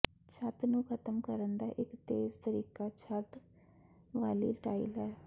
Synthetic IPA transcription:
t͡ʃʰət̪nũːkʰət̪əmkəɾənd̪aːʔɪkt̪eːzt̪əɾiːkaːt͡ʃʰət̪ | ʋaːlḭːʈaːḭlɛː

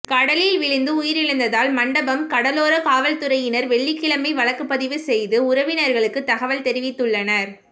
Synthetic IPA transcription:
kɐɽɐlɪlʋɪɭɪnd̪ɯʊjɪɾɪɻɯnd̪ɐðaːlmɐɳɖɐbɐmkɐɽɐloːɾɐkaːʋɐlt̪ɯɾɐjɪnɐɾʋɛɭːɪkːɪɭɐmɐɪʋɐɭɐkːɯpːɐðɪʋɯsɛjðɯʊɾɐʋɪnɐɾɣɐɭɯkːɯt̪ːɐɣɐʋɐlt̪ɛɾɪʋɪt̪ːɯɭːɐnɐɾ

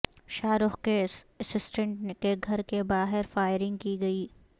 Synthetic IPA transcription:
ʃaːɾʊxkeɐsɪsʈə̃ɳʈkeɡʱɐɾkebaːɦɪɾfaːɪɾɪ̃ŋɡ̚kiɡɐiː

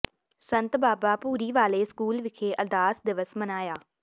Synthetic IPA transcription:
sə̃nt̪baːbaːpuːɾiːʋaːleːskuːlʋɪkʰeːʔəd̪aːsd̪ɪʋəsmənaːjaː

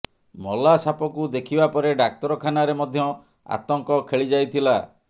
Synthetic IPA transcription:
mɔlasapɔkud̪ekʰibapɔɾeɖak̚t̪ɔɾɔkʰanaɾemɔd̪ʱjɔ | a̰t̪ɔŋkɔkʰeɭid͡ʒajt̪ʰila

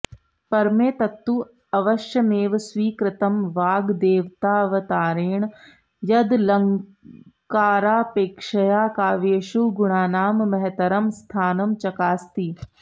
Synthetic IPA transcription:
pɐɾmeːt̪ɐt̪ːu | ɐʋɐʃjɐneːʋsʋiːkɾɪt̪ɐmʋaːɡd̪eːʋt̪aːʋɐt̪aːɾeːɳ̃ | jɐd̪lɐŋ | kaːɾaːpeːkʂɐjaːkaːʋeːʃuɡʊɽaːnaːmːɐɦɛt̪ɐɾɐmst̪ʰaːnɐmt͡ʃɐkaːst̪iː

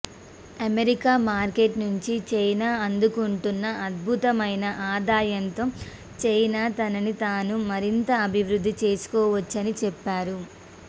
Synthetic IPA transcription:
ɐmeɾikaːmaːɾkeʈnuɲt͡ʃit͡ʃɐjnaːɐnd̪ukuɳʈunːɐʔɐd̪̚bʱut̪ɐmɐjnɐʔaːd̪aːjɐnt̪o̞ː | t͡ʃɐjnaːt̪ɐnɐnit̪aːnumɐɾint̪ɐːbʱiʋɾud̪ʱːit͡ʃe̞ːsu̥kɔːʋɐt͡ʃːɐnit͡ʃɛpːaːɾu

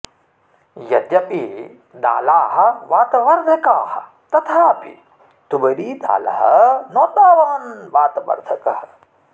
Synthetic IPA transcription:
jɐd̪ɐɓi | d̪a̰ːlaːɦɐʋaːt̪ɐʋɐɾd̪ʱɐkaːhɐ | t̪ɐt̪ʰaːpḭ | t̪ubɐɾiːd̪a̰ːlɐ̰ɦɐ̰nɔːt̪aːʋaːnʋaːt̪ɐʋɐ̰ɾd̪ʱɐkɐɦɐ

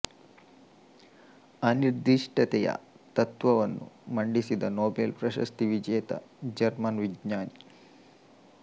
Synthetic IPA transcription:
ɐniɾd̪iʂʈɐt̪ɛjɐ̰ | t̪ɐt̪ʋɐʋɐnːṵmɐɳɖisid̪ɐnoːbeːlpɾɐʃɐ̰st̪iʋid͡ʒɛːt̪ɐ̰d͡ʒɐɾmɐnʋiɡɲaːni

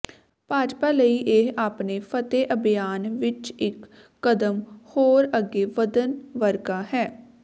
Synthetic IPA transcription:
paːd͡ʒpaːləiːʔeɦaːpneːpʰət̪eːʔəbɪjaːnʋɪt͡ʃɪkː | əd̪əmhoːɾəɡeːʋəd̪ənʋəɾɡaːhɛː

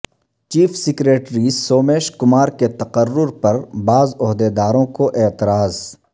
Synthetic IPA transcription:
t͡ʃiːfsɪkɾeːʈɾisoːmeːʃkʊmaːɾket̪ɐqərːʊɾpɐɾbaːzʊɦd̪ed̪aːɾõkoʔeːt̪ɪɾaːz

